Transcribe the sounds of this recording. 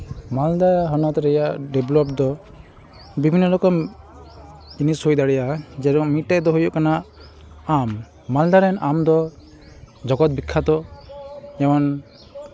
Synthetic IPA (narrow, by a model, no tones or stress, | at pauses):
mald̪aɾaɦɔnɔt̪ɾɛjaʔɖɛblɔp̚d̪ɔ | bibʱinːɔlɔkɔm | inisojd̪aɽɛjad͡ʒɛɾɔŋmiʈːajd̪ɔɦujɔʔkanaʔ | amː | ald̪aɾɛnamd̪ɔ | d͡ʒɔɡɔt̪̚bikʰːat̪ɔ | ɛmɔn